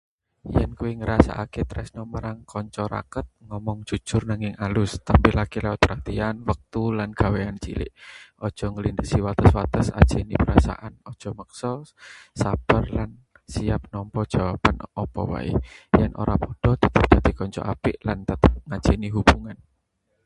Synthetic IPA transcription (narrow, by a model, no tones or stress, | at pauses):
jɛnkuwiŋəɾasa̰ʔaket̪əɾɛsnɔməɾaŋkɔɲt͡ʃɔɾa̰kət̪̚ŋɔmɔŋd̥ʒ̥ṳ̥ʒ̥ʊrnaŋɪŋalʊst̪ampilakilɛwat̪̚pəɾɦat̪ianwək̚t̪ulanɡ̥a̤weant͡ʃilɪ̰ʔʔɔd̥ʒ̥ɔ̤ŋəlindəsiwat̪əswat̪əsa̰d̥ʒ̥enipəɾasa̰ʔanɔd̥ʒ̥ɔ̤məksɔsab̥ərlan | siap̚nɔmpɔd̥ʒ̥a̤wapanɔpɔ̰wa̰ḭjɛnʔo̰ɾapɔɖ̥ɔ̤t̪ət̪əp̚d̪̥a̤d̪̥i̤kɔɲt͡ʃɔ̰ʔapɪʔlant̪ət̪əp̚ŋḁd͡ʒ̥iniɦub̥uŋan